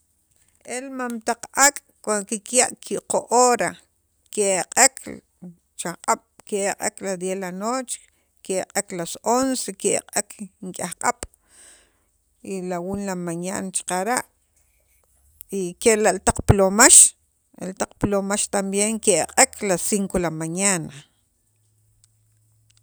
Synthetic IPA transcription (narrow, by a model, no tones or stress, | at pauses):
ʔelmamt̪aq͡χʔakʼ | kankikjaʔkʰiʔqoʔoːɾa | keaqʼekʰ | t͡ʃaqʼaɓ̥keʔaqʼeklad̪jelanoːt͡ʃ | keʔqʼeklasonsekeʔqʼekŋkʼahqʼaɓ̥ | ilawunlamaɲa̰ːnat͡ʃḁqaɾaʔ | ikeʔlaʔlt̪aq͡χplomaʃ | ḛlt̪aq͡χplomaʃt̪ambjeŋkeʔaqʼekʰlasiŋkolamaɲana